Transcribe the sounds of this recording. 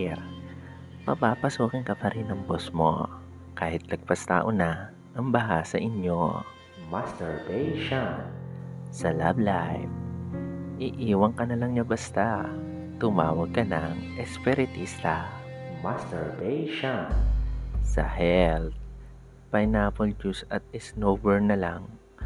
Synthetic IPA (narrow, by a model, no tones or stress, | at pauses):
pɐpaːpɐsuːkɪŋkɐpɐɾinɐŋbosmo̰ | kaːhɪt̪̚lɐɡ̚pɐst̪a̰ːʔonɐ | ʔɐŋbɐɦasɐʔɪɲjo | mast̪ɛɹbɛjʃon | sɐla̰blajv | ʔɪʔiːwɐŋkɐnɐlɐŋɲabɐst̪a | t̪ʊmaːwɐɡ̚kɐnɐŋʔɛspɛɾɪt̪isla | mast̪ɛɹbɛjʃon | sɐ̰hɛlt̪̚ | pɐjnaːpold͡ʒusɐt̪̚ɪsnoːbɛɹnɐlaŋ